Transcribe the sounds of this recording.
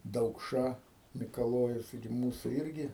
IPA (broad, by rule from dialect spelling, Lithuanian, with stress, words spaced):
dɐʊkˈʃɐ mʲɪkɐˈlˠoːjʊs ˈtɐɪɡʲɪ ˈmuːsuː ˈɪrʲɡʲɪ